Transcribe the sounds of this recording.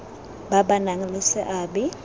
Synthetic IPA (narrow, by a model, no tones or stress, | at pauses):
baɓanaŋ̩lɪsɪʔaːbɛ